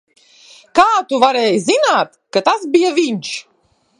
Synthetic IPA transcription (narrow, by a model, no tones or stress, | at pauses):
kaːt̪uvaɾɛːjzinaːt̪kat̪asbijaviɲʲʃ